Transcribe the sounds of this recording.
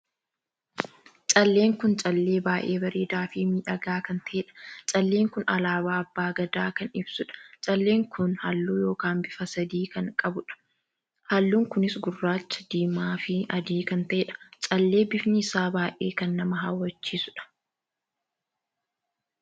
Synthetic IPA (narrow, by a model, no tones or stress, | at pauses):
t͡ʃʼɐlːe̞ːŋkʊnt͡ʃʼɐlːe̞ːbaːʔe̞ːbɐɾeːd̪aːfimiːᶑɐɡaːkɐnt̪ʰɐʔeːᶑɐ̥t͡ʃʼɐlːe̞ːŋkʊnɐlaːbaːɐbːaːɡɐd̪aːkɐnɪbsʊᶑɐ̥t͡ʃʼɐlːe̞ːŋkʰʊnhɐlːuːjo̞ːkaːnbɪfɐsɐd̪iːkɐŋkʼɐbʊᶑɐ̥ | hɐlːuːŋkʊnɪsɡʊrːaːt͡ʃːɐd̪iːmaːfɪɐd̪iːkɐnt̪ɐʔeᶑɐ̥t͡ʃʼɐlːe̞ːbɪfnɪɪsaːbaːʔḛːkɐnːɐmɐɦaːwːɐt͡ʃːiːsʊᶑɐ̥